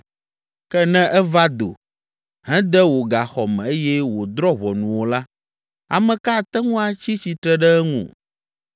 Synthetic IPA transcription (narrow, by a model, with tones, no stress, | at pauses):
kɛ˦nɛ̃˦ʔɛ˦va˦d̪o̰˨ | ɦɛ̃˦d̪ɛ˦wo˨ɡa˨xɔ˨mɛ̃˨e˦jɛ˦wo˨d̪ɾɔ˦βɔ˨nũ˨wo˨la˦ | a̰˨mɛ̃˨ka˦˨t̪ɛ˦ŋũ˦a˨t͡ɕi˦t͡ɕi˨t̪ɾɛ˦ɖɛ˦ɛ˦ŋṵ̃˨